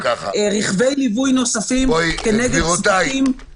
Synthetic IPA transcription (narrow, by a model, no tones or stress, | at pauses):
kʁiχve̞jlivujno̞safimkeneɡeaim